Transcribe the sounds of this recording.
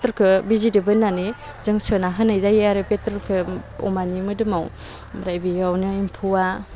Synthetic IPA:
tɾkʰɯbizidɯbɯnːani | zɯŋsɯnaɦɯnajzajaɾɯpetɾkʰɯɔ̰manimɯdɯmawɾajbijawnɯimpʰuwa

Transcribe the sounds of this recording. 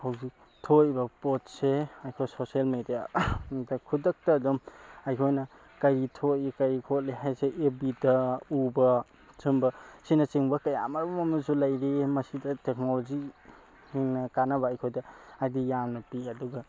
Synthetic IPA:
hawzi | tʰojbɐpot̚seajkʰojsosialmedijadɐkʰudɐk̚tɐːdɔmajkʰojnɐ | kɐɾitʰojkɐɾikʰot̚leɦajseʔebidɐubɐ | t͡ʃɯmbɐsinɐt͡ʃiŋbɐkɐja̰mɐɾbɐmɐmɐzulɐjɾemɐsidɐtek̚nolozi | hiŋnɐkanɐbɐːjkʰojdɐajdijamnɐpiɐduɡɐ

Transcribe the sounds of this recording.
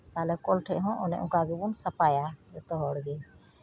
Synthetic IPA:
t̪alɛkɔlʈʰɛʔɦɔ̃ʔɔnɛ̰ʔukaɡɛbunsapajaɾɛt̪ɔɦɔɽɡɛ

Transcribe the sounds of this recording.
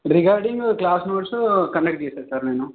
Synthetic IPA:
ɾiɡaːɾɖiŋɡklaːsnoːʈskɐnek̚ʈ̚t͡ʃeːsaːɾsaːɾneːnu

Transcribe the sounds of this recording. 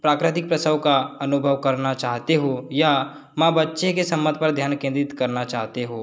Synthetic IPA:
pɾaːkɾɪt̪ɪk̚pɾɐsəʋkaɐnʊbʱəʋkɐɾnat͡ʃaːɦt̪eɦoja | mãbɐtːʃekesɐ̃mːə̃d̪ʱpɐɾd̪ʱjaːnkẽnd̪ɾɪt̪kɐɾnat͡ʃaːɦt̪eɦoː

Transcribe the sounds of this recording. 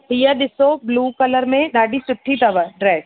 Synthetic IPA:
ʈijad̪ɪsobluːkɐləɾmẽd̪aːɖisʊʈʰːit̪ɐʋəɾɖɾɛːs

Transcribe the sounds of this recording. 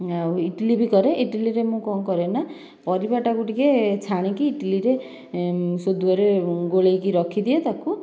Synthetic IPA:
awiʈlibʱikɔɾeʔiʈiliɾemũkɔŋkɔɾena | pɔɾibaʈakuʈiket͡ʃʰaɽ̃ikiːʈiliɾe | sod̪uɔɾeɡoɭejkiɾɔkʰid̪iet̪aku

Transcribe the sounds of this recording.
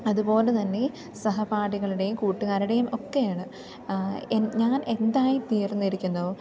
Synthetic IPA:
ɐðupo̞ːlet̪ɐnːe̞ | sɐɦɐpaːɽiɣɐɭiɽe̞jumkuːʈːuɣaːɾiɽe̞jumo̞kːe̞jaːɳɨ | enɲaːne̞nd̪aːjit̪ijɐrnːiɾikʲːunːɐo

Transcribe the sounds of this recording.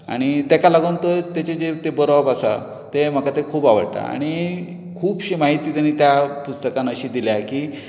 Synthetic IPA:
a̰ɽ̃it̪akalaɡunt̪ət̪jat͡ɕed͡ʑet̪ebəɾɔbasa̰ | t̪em̤əkat̪ekʰuːbaʋə̰ɽʈa̰a̰ɽ̃i | kʰuːbɕiːmaɦit̪iːt̪anit̪japust̪əkãnəɕiːd̪iljakiː

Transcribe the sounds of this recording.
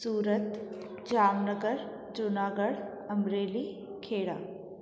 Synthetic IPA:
suːɾət̪ | d͡ʒaːmnəɡəɾ | d͡ʒʊnaːɡəɽ | ɐmɾeːli | kʰeːɽaː

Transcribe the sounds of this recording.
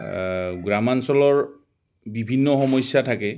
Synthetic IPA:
ɡɹamansɔlɔɹ | bibʱinːɔxɔmɔjsjatʰakɛ

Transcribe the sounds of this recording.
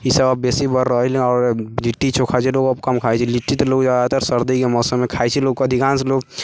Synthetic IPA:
isəbəbeːsibəɾːəɦlɔːɾliʈːit͡ʃʰokʰat͡ʃʰiloːɡəbkəmkʰaet͡ʃʰiliʈːit̪loːɡd͡ʒad̪at̪ɔɾsəɾd̪əikemɔːsəmːẽkʰaːet͡ʃʰiloːɡ̚koɐd̪ʱikaːnseloːɡ

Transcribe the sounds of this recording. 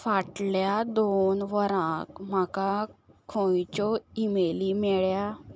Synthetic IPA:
faʈljad̪onʋəɾãkm̤akakʰojt͡ɕɔimelimɛɭja

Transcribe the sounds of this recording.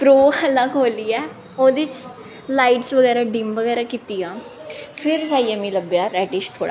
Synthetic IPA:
pɾoːhəlakɦoːliːɛː | oːd̪ɪt͡ʃ | laːiʈsʋəɡɛːɾaːɖɪmʋəɡɛːɾaːkiːt̪iːjãː | pʰɪɾsaːiːamĩːləbjaːɾɛːʈɪʃt̪ʰoːɽa̰ː

